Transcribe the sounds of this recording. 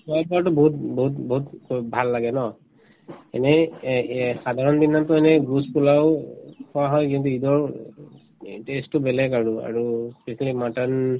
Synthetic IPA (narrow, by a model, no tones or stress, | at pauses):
sɔjat̚baɹtʊboɦut̚boɦutboɦutbʱalːaɡɛnɔ | ɛ̰nɛ | xadʱaɹɔndinːamtɔɛnɛɡɹuspulaʊkʰɔwaɦɔjkintuidɔɹ | testʊbɛlɛkaɹua̰ɹuspesinalimatan